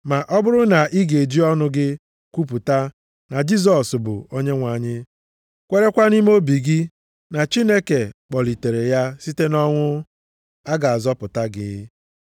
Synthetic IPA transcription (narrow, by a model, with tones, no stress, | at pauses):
ma˨ʔɔ˦bʊ˦ɾʊ˦na˨ʔi˦ɡe˨d͡ʒi˦ɔ˦nʊ˦ɡɪ˦ | kʷu˦p̬u˨ta˦ | na˨d͡ʒi˦z̬ɔ˨sbʊ̰˨o˦ɲe˦ŋʷa˨ɲɪ˦ | kʷe˦ɾe˦kʷa˦ni˦m˦o˦bi˨ɡi˦ | na˨t͡ʃi˦ne˦ke˨k͡pɔ˨li˨te˨ɾe˨ja˦si˦te˦nɔ˦ŋʷʊ˦ | a˦ɡa˨a˨zɔ˦pʊ˨ta˦ɡɪ̰˨˦